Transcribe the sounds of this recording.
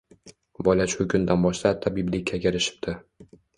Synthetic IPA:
bɒlat͡ʃʊkʰʲʊnd̪anbɒʃt̪at̪ʰːabiblɪkʰʲːakʲeɾɪʃɪ̥p̚t̪ʰɪ

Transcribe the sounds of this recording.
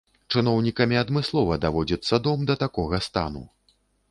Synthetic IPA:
t͡ʂɨnɔwnʲikɐmʲiɐd̪mɨslˠɔvɐd̪avɔd͡zʲɐt̪sːɐd̪ɔmd̪ɐt̪akɔɣɐst̪a̰nṵ

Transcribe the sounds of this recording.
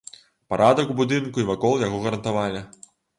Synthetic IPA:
paɾʔad̪ɐkwbud̪ɨnkuivakɔlˠjaɣɔɣɐɾɐnt̪avalʲi

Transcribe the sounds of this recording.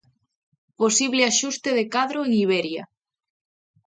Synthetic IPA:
posiβleaʃust̪eðekaðɾoeŋiβ̞ɛɾja

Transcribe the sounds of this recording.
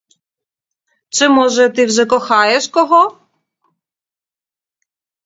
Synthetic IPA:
t͡sɪmɔʒɛt̪ɪwzɛkɔxɑjɛʃkɔɦɔ

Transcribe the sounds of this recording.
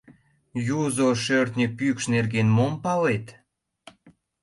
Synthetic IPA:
juzoʃørt̪nʲəpykʃnerɡenmompɑlet̪

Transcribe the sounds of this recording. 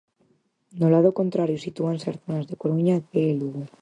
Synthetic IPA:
nolað̞oko̞nt̪ɾaɾjosit̪uanseaɾθonazðekoɾuɲabeluɣo

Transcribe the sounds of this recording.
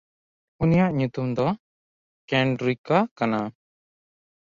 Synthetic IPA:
unijaʔɲut̪umd̪ɔ | kɛɳɖɾikakana

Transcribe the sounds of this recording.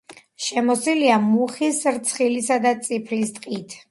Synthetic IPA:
ʃɛmɔsiliamuχisɾt̪sʰχilisad̪at̪sʼipʰlist̪ʼqʼit̪ʰ

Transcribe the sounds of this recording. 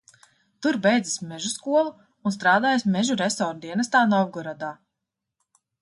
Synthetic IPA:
t̪uɾbɛjd̪zismɛʒuskuɔlˠuː | nst̪ɾaːd̪aːjasmɛʒuɾɛsɔːɾd̪iɛnɐst̪aːnɔwɡɔɾad̪aː

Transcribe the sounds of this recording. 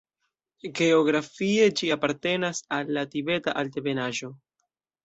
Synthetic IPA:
ɡe̞o̞ɡɾafie̞d͡ʒiapaɾte̞nasalːatibe̞taʔalte̞be̞naʒo̞

